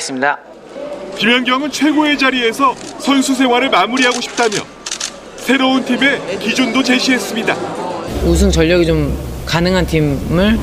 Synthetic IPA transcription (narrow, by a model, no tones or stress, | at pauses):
s͈ɯmɲida | kimjʌŋɡjʌŋɯnt͡ɕʰwe̞ɡoe̞d͡ʑaɾie̞sʰʌsʰʌnsʰus̬ʰe̞waɾɯɭmamuɾiɦaɡoɕʰi̥p̚t͈amjʌ̰n | sʰe̞ɾountʰime̞kid͡ʑondot͡ɕe̞ɕʰiɦe̞s͈ɯmɲida̰mus̬ʰunt͡ɕʌʎːʌɡet͡ɕomkanɯŋɦantʰimɯɭ